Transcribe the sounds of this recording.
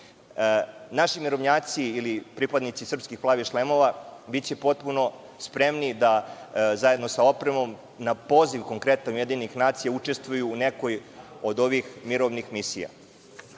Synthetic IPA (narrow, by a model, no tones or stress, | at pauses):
naʃimiɾo̞ʋɲaːt̪siːlipɾipad̪nit̪sisr̩pskixplˠaːʋiʃlemo̞ʋabit̪t͡ɕe̞po̞t̪̚puno̞ | spɾe̞mnid̪azaje̞d̪no̞sao̞pɾemo̞m | napo̞ːziʋko̞ŋkɾe̞t̪anujed̪inixnaːt̪sijaut͡ʃest̪ʋujuːne̞kojo̞d̪o̞ʋixmiɾo̞ʋnixmisḭja̰